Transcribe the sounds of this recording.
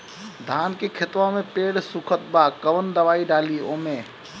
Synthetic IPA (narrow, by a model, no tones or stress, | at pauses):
d̪ʱaːnkekʰɪt̪ʋamẽpeːɽsukʰət̪̚baːkɐʋənd̪ɐʋaːiɖaːliːoːmeː